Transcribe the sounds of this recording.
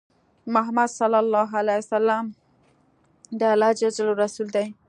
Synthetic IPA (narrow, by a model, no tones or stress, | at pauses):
mʊɦamad̪salalːɑɦalajsalːam | d̪əalːɑd͡ʒad͡ʒloɾasuld̪aj